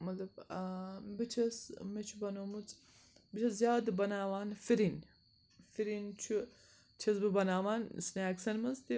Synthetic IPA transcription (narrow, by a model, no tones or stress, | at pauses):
mɐt̪ɐb | bit͡ʃʰɐsmet͡ʃʰubɐnomut͡s | bit͡ʃʰɐszijaːd̪bɐnaːʋaːnfiɾin | fiɾint͡ʃʰu | t͡ʃʰɐsbɨbɐnaːʋaːnsneɐksɐnmɐzt̪i